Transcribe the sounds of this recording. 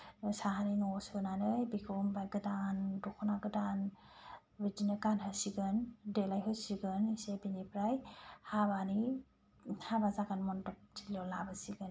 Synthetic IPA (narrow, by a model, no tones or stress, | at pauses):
saɦanajnɔsɯnanɯjbikʰɯmbajɡɯdandɔkʰɔnaɡɯdan | bid͡ʒinɯkanɦasiɡɯndelajɦɯsiɡɯnisebinipʰɾajhaβani | habazaɡanmɔntɔp̚zilɔlabasiɡɯn